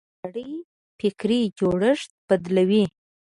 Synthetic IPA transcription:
ɽəj | fɪkɾid͡ʒoɽəʂt̪̚b̥ad̪lawi

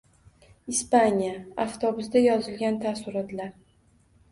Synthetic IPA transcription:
ɪspanʲijaaft̪ʰɒbʊsd̪ajɒzɪlɡʲant̪ʰasʊɾɒt̪laɾ

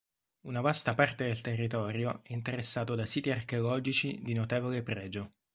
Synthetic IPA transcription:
unavast̪apart̪ed̪elt̪erːit̪ɔːɾjoʔɛint̪eɾesːaːt̪od̪asiːt̪iarkeolɔːd͡ʒit͡ʃid̪inot̪ɛːvolepɾɛːd͡ʒo

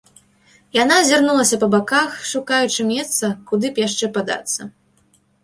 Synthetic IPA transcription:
janazʲarnulˠɐsʲɐpɐbakaxʂukajut͡ʂɨmʲɛst̪sɐkud̪ɨpjaʂt͡ʂɛpad̪a̰t̪sːɐ

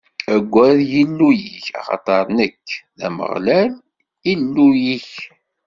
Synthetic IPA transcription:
æɡʷːæðjinːujiçɑ̰χɑ̰t̪ˤɑɾˤnəkʰːðæ̰mə̰ʁlæl | ilːujiç

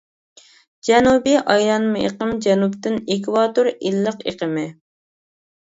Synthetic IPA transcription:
d͡ʒɛnubiʔɑjɾɑnmɨʔḛqəmd͡ʒɛnupt̪ɪnekwɑt̪oɾilːəqḛqəmɪ

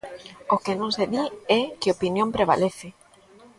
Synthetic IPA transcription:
okenõŋseðiɛkɪopinjõmpɾeβ̞a̰leθɪ

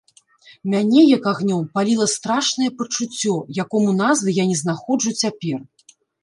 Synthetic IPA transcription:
mʲanʲɛjɐkaɣnʲɔmpalʲilˠɐst̪ɾaʂnɐjɛpɐt͡ʂut͡sʲːɔjakɔmunazvɨjanʲɛzn̪axɔd͡ʐut͡sʲapʲɛr

